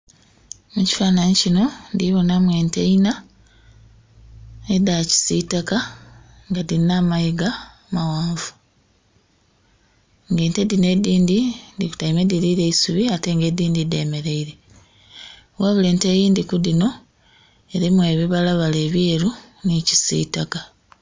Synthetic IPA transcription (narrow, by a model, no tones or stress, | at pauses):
muci̥faːnaɲicino̞ndiβo̞namwe̞ːnteina | edaci̥sitaka | ŋɡadinamajiɡa | mawaːɱvu̥ | ŋɡe̞ːntedine̞diːndindiku̥tajimediɾiɾe̞isuβiate̞ːŋɡe̞diːndide̞me̞ɾe̞iɾe̞ | waβule̞ːntejiːndikudino̞ | eɾimwe̞ːβiβalaβale̞ːβjeɾu | nici̥sḭːtaka